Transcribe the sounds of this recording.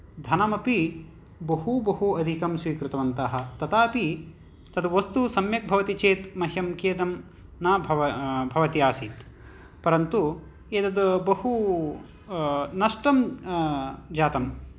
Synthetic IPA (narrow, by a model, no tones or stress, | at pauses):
d̪ʱɐnɐmɐpi | bɐɦubɐɦuɐd̪ʱikɐmsʋiːkɾut̪ɐʋɐnt̪ɐɦɐ̆t̪ɐt̪aːpi | t̪ɐd̪ʋɐst̪usɐmjɐk̚bʱɐʋɐt̪it͡ʃeːt̪mɐɦjɐmkeːd̪ɐm | naːbʱbʱɐʋɐt̪iaːsiːt̪ | pɐɾɐnt̪u | eːt̪ɐd̪bɐhu | nɐʂʈɐm | d͡ʒaːt̪ɐm